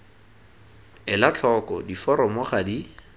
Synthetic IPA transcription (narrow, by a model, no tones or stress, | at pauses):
ɪlat͡ɬʰɔkɔdifɔɾɔmɔχadi